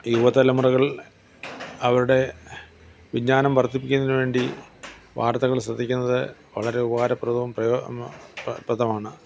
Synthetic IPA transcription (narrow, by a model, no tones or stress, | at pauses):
juʋɐt̪ɐlɐmurɐɣɐɭ | ɐʋɐɾuɽe̞ | ʋid͡ʑɲaːnɐmpɐrt̪ʰːipːikʲːunːðinɨʋe̞ːɳɖi | ʋa̰ːrt̪ɐɣɐɭsrɐd̪ʱːikʲːunːɐðɨʋɐɭɐɾe̞ubɐɣaːɾɐpːrɐd̪uʋɐmprɐjo | prɐd̪ʱɐmaːɳɨ